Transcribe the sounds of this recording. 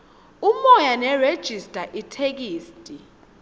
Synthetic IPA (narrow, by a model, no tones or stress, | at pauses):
umɔjanɛred̥ʒ̥ʱistʼaʔitʰek̬iːstʼi